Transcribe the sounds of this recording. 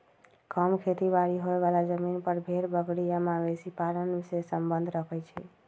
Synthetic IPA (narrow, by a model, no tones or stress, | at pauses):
kəmkʰet̪ibaɾiɦoeʋalad͡ʒəminpəɾbʱeɾbəɡɽijamãbesipaɾənsesəmbənd̪ʱɾəkʰɛt͡ʃʰɛ̰